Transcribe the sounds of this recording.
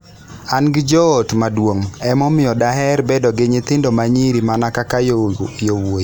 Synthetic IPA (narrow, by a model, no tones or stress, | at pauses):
anɡɪd͡ʒɔːtmadwoŋɛmɔmɪɔdaɦɛɾbɛdɔɡɪɲɪt̪ɪndɔmaɲiɾimanakakajowoj